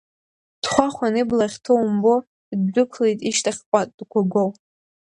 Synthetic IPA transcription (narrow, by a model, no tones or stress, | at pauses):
d̥χʷaχʷanɨblaχʲtʰowmbo | dːʊkʷʰlejtʼiʃtʰaχʲpʷʼatʼd̥kʷʰaɡʷow